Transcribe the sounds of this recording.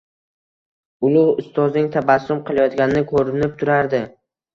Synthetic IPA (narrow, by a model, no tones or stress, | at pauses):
ʊlˠʊhʊst̪ʰɒznɪŋt̪ʰabasːʊmqʰɨlˠajɒt̪ɡʲanɪnɪkʰɵɾɪnɪp̚t̪ʰʊɾaɾd̪ɪ